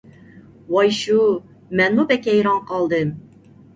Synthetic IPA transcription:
wɑjʃu | mɛnmubɛkʲɛjɾɑŋqɑlˠd̪ɨm

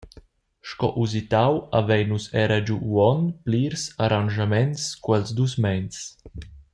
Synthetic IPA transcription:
ʃkɔ̰ʔuzit̪awa̰vɛjnusɛɾad͡ʒuwɔnpliːɾsaɾanʒamɛnskwɛlzd̪usmɛns

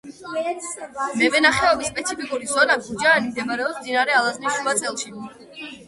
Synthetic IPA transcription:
mɛvɛnaχɛɔbisːpʼɛt̪sʰipikʼuɾizɔnaɡud͡ʒaːnimd̪ɛmaɾɛɔsmd̪inaɾɛalˠazniʃuvat̪sʼɛlˠʃi

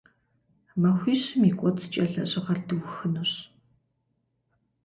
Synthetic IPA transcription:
mɐxʷiːɕɨmiːkʷʼɔt͡sʰt͡ʃʼɐɮɐɕʼɪʁɐrdɨwxɨnɨɕ

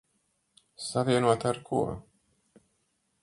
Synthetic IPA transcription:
saviɛnuɔt̪aɾkʰṵɔ

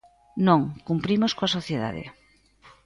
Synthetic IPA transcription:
nõŋkumpɾimoskoasoθjeða̰ðɪ̰

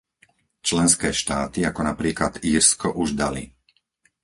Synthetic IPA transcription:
t͡ʃlɛnskɛːʃt̪aːt̪iakɔnapɾiːklad̪iːɾskɔʔuʒd̪alḭ

